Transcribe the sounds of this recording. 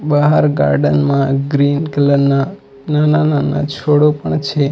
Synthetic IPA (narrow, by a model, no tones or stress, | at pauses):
bəɦaɾɡa̰ɾɖənmãɡɾinkələɾna | nananana̰t͡ʃʰoɽopəɳt͡ʃʰe